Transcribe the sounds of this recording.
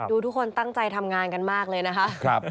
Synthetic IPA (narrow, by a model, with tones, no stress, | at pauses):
duː˧t̪ʰu˦˥kʰːo˧nt̪a˥˩ŋt͡ɕa˧jt̪ʰa˧mŋaː˧nka˧nmaː˥˩k̚lɤː˧jna˦˥kʰa˦˥ʔp̚